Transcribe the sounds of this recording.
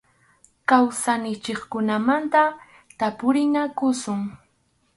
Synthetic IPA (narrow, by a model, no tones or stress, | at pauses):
kawsanɪt͡ʃɪχkʊnamant̪a | t̪apʊɾɪnakʊsʊŋ